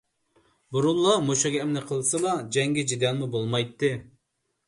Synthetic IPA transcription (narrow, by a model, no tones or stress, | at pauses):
buɾulˠːɑmoʃɑɡʲɛːmnɪqʰəlˠsɨlˠɑd͡ʒɛŋɡʲɛd͡ʒid̪ɛnˠmubolˠmɑjt̪ːɨ